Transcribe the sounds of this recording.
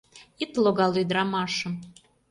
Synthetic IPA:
it̪loɣɑlyd̪əɾɑmɑʃə̆m

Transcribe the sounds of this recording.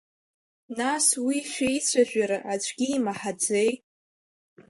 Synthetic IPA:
naswiʃʷᶣejt͡sʷʰaʒᶣaɾaʔat͡ʃʷʰʼɡʲiːmaħad͡ze̞jt

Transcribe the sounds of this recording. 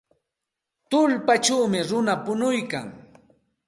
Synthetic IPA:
t̪ʊlpat͡ʃawmɪɾʊnapʊnʊjka̰ŋ

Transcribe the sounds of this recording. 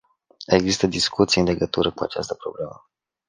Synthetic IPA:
e̞ɡzist̪əd̪iskut̪sijɨnle̞ɡət̪uɾəkua̰t͡ʃa̰st̪əpɾo̞̰blemə

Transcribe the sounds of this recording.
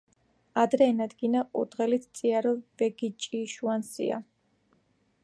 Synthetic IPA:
ad̪ɾɛːnad̪ɡinaʔʼṵd̪ʁɛlit̪ʰt̪sʼiaɾɔb̥ɛɡit͡ʃʼiʃuansḭa̰

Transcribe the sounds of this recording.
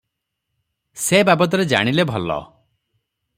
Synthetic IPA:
sebabɔt̪̬ɔɾed͡ʒa̰ɽ̃ilebʱɔlɔ̰

